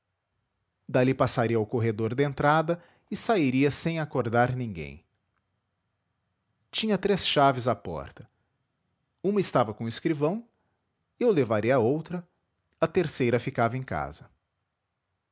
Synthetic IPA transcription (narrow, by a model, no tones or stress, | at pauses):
d̪alipasaɾiɐawkoɦed̪oɾd̪ɪẽnt̪ɾad̪ɐ | ɪsaiɾiɐsẽj̃akoɾd̪aɾnĩŋɡḛ̃j̃ | t͡ʃĩɲɐt̪ɾesʃavɪzapɔ̰ɾt̪ɐ̥ | ũmɐɪst̪avɐkõɪskɾivɐ̃w̃ | ɪʊlevaɾiɐowt̪ɾɐ | ɐt̪eɾsejɾɐfikavɐẽj̃ka̰zɐ